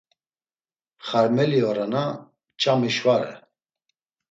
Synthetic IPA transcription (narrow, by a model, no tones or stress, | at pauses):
χaɾmɛliɔɾana | t͡ʃʰʼamiʃvaɾɛ̰